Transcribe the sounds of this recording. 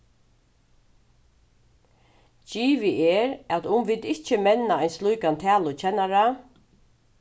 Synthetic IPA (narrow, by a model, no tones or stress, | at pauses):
t͡ʃiːʋɪʔɛːɾæt̪ʊmʋɪːd̪ɪht͡ʃɪmɛnaajnslujkant̪ʰæːlʊt͡ɕʰɛnaɾa